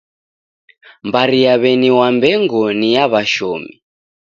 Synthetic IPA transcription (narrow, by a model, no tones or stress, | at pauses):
mbaɾijaβɛniwambɛŋɡɔnijaβaʃɔːmḭ